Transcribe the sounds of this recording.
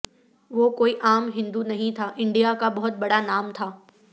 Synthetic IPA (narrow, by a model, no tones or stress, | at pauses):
ʋoːkoːiʔaːmɦɪ̃nd̪unɐɦĩt̪ʰaːʔɪ̃ɳɖijakabɐɦʊt̪̚bɐɽanaːmt̪ʰaː